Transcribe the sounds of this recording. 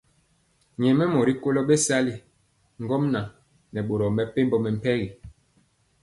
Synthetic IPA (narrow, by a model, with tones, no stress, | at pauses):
ɲɛ˨mɛ˦mɔ˨ɾi˦ko˦lɔ˦ɓe˦sa˦li˦ | ŋ̩˦ɡɔ˦mna˨ | nɛ˨ɓo˨ɾɔ˨mɛ˨pe˦mbɔ˦mɛ˨m̩˨pɛ˦ɣi˨